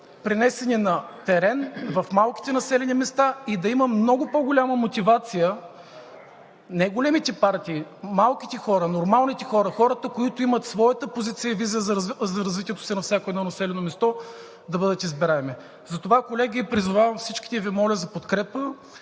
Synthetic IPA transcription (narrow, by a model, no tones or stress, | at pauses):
pɾɛnɛsɛninɐt̪ɛɾɛnvɐfmalˠki̥t̪ɛnɐsɛlɛnimɛst̪aid̪ɐiməmnɔɡʊpoɡʊlʲaməmot̪ivat̪sijə | najɡolɛmit̪ɛpaɾt̪iːmalˠkit̪ɛxɔɾənoɾmalˠnit̪ɛxɔɾəxɔɾət̪əkoit̪ʊimɐt̪svɔjɐt̪əpozit̪sijəvizijəzzɐɾɐzvit̪ijɛt̪o̥sɛnɐfsʲakoɛd̪nɔnɐsɛlɛnomɛst̪ɔ | d̪ɐbɤd̪ət̪izbɛɾaɛmi | zɐt̪ovakolɛɡʲipɾizʊvavɐmfsit͡ʃki̥t̪ɛvimɔlʲɐzɐpot̪kɾɛpə